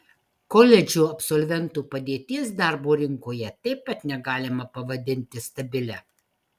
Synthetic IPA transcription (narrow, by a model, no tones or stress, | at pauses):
kɔlʲɛd͡ʒʲuːɐpsɔlʲʋʲɛnt̪uːpɐd̪ʲeːt̪ʲiɛsd̪ɑːɾboːɾʲɪŋkoːjɛt̪ɐɪppɐt̪nʲɛɡɑːlʲɪmɐpɐʋɐd̪ʲɪnʲt̪ʲɪst̪ɐbʲɪlʲɛ